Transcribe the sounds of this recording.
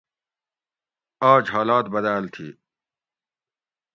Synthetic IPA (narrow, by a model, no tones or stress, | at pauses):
aːd͡ʑɦaːlaːt̪bɐd̪aːlt̪ʰḭː